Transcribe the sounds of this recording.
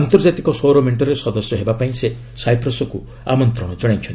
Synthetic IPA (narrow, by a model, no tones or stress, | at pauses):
ant̪ɔɾd͡ʒat̪ikɔsoɾɔmeɳʈɔɾesɔd̪ɔsjɔɦebapaĩse | sajpʰɾɔsɔku | amɔnt̪ɾɔɽ̃ɔd͡ʒɔɽ̃ajt͡ʃʰɔnt̪